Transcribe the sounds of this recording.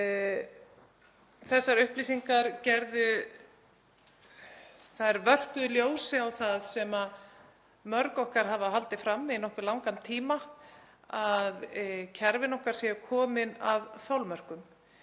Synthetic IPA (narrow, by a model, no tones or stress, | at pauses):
θɛsːaɾʏhpliːsiŋkaɾcɛɾðʏ | θaðɛɾvœr̥pʏðʏljoːwsɪawθaðsɛma | mœɾkɔhkaɾ̥ɦavaɦalt̪ɪfɾamːɪɪnɔhkʏɾlawŋkant̪ʰiːma | aðcʰɛɾvɪnɔhkaɾ̥sɛʏkʰɔːmɪnavθawlmœr̥kʏm